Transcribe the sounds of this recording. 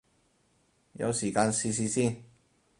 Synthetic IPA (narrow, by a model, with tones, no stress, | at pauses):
jɐ̰˧wsiː˨˩kaː˧nsiː˧s̬iː˧siː˥˩n